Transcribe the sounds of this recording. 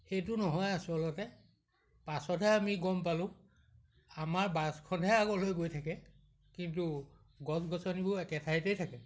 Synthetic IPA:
xejt̬ʊnɔɦɔjasuɔlɔtɛ | pasɔtɛamiɡɔmpalʊ̃ | amaɹbaskʰɔnɛaɡɔlojɡojtʰakɛ | kintu | ɡɔsɡɔsɔnibɔɛkɛtʰaitejtʰakɛ

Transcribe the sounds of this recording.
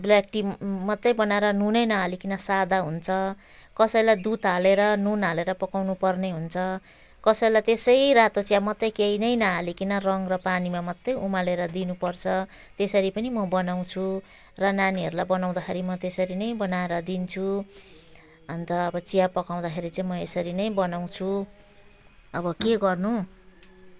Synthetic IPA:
blak̚ʈimʌt̪ːʌjbʌnaeɾʌnunʌjnʌɦalikinʌsad̪aɦunt͡sʰʌ | kʌsʌjlajd̪ut̪ɦaleɾʌnunaleɾʌpʌkawnupʌrneɦunt͡sʰʌ | kʌsʌlajt̪esʌjrat̪ot͡sijamʌt̪ːʌjkeinʌjnʌɦalikinʌrʌŋrʌpanimamʌt̪ːʌjumaleɾʌd̪inupʌrt͡sʰʌ | t̪esʌɾipʌnimʌbʌnaw̃t͡sʰu | rʌnaniɦʌɾulajbʌnaw̃d̪akʰeɾimʌt̪esʌɾinʌjbʌnaeɾʌd̪int͡sʰu | ʌnt̪ʌːbʌt͡sijapʌkaw̃d̪axʰeɾit͡saĩmʌesʌɾinʌjbʌnaw̃t͡sʰu | ʌbʌkeɡʌrnu

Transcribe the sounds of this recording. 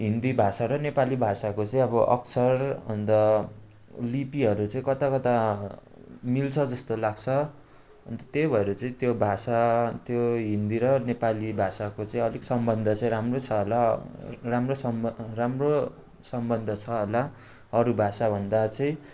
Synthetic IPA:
ɦind̪ibʱasaɾʌnepalibʱasakot͡sʌĩʌbʌʔʌ̰ksʰʌrɦʌnd̪ʌ | lipiɦʌɾut͡sʌĩkʌt̪akʌt̪a | milt͡sʰʌd͡zʌst̪olaɡ̚t͡sʰʌ | ʌnt̪ʌt̪ebʱʌeɾʌt͡sʌĩt̪jobʱasat̪joɦind̪iɾʌnepalibʱasakot͡sʌĩʌliksʌmbʌnd̪ʱʌt͡sʌĩɾamrot͡sʰʌɦolaramrosʌmramro | sʌmbʌnd̪ʱʌt͡sʰʌɦola | ʌɾubʱasabʱʌnd̪at͡sʌĩ

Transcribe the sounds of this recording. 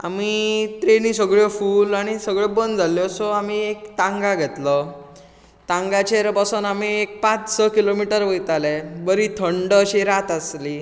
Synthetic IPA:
a̰mit̪ɾenisəɡɭjɔfuːlaɽ̃isəɡɭɔbənd͡zʱaljɔsɔamiekt̪ãŋɡaɡʱɛt̪lə | t̪ãŋɡat͡ɕeɾpasuːnamiek̚pãt͡ssəkilomiʈəɾʋəjt̪alebəɾit̪ʰəɳɖəɕiɾat̪asli

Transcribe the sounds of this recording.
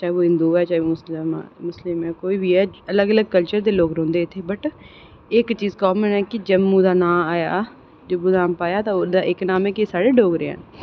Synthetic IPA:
t͡ʃaːeoːɦɪ̃nd̪uːɛːt͡ʃaːeoːmslm̰ːmʊslɪmɛ̃ːkoːiːbiːɛːələɡələɡ̚kəlt͡ʃəɾd̪eːloːkɾõːnd̪eːt̪ʰːeːbəʈ | ɪkt͡ʃiːzkɔːmənɛːkɪd͡ʒəbːũːd̪aːnaːmaːja̰ː | d͡ʒəbːuːd̪naːmpaːjaːt̪ãːod̪aːʔɪknaːmɛːkisaːɽeːɖoːɡɾḛːɦə̰n

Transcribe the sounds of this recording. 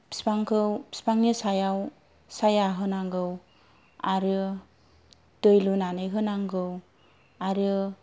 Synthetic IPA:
pi̥spaŋkʰɯwpi̥spaŋnisajaw | sajaɦɯnaŋɡɯw | aɾɯ | d̥ɯjlunanɯjɦɯnaŋɡɯw | aɾɯ

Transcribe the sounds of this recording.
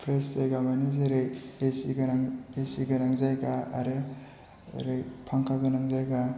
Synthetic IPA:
pʰɾeszajɡamanɯzeɾɯjesiɡanaŋesiɡɯnaŋzajɡa̰ːɾɯ | ɾɯjpʰaŋkʰaɡɯnaŋzajɡa

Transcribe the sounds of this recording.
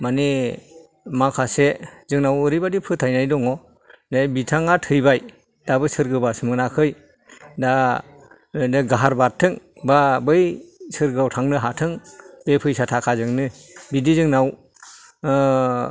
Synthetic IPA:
mane | makʰasezɯŋnawɯɾijbadipʰɯtʰajnajdɔŋɔ | dajbitʰaŋatʰɯjbaj | dabɯsɯɾɡɯbasɯmɯnakʰɯj | da | dɯɡaɦaɾbatʰːɯŋbabɯjsɯɾɡɯawtʰaŋnɯɦatʰɯŋbepʰɯjsatʰakʰazɯŋnɯ | bidizɯŋnaw

